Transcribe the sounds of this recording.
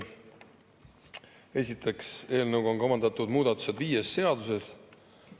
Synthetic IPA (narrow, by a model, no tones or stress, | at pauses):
e̞sʲit̪ʰe̞kse̞ːlnɤwɡoŋko̞mɑnd̪ɑt̪ːud̪̥muːd̪ɑt̪ːˑu̥se̞d̪viːje̞sːe̞ɑd̪use̞s